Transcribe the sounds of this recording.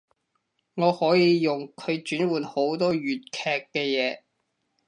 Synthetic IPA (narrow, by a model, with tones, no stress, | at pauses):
ŋɔː˨˧hɔː˨˥jiː˨˧jʊ˨ŋkʰɵ˨˧ɥt͡ʃyː˨˥nwuː˨nho˨˥wt̪ɔː˥ɥyː˨t̚kʰɛː˧kːɛː˧jɛː˨˧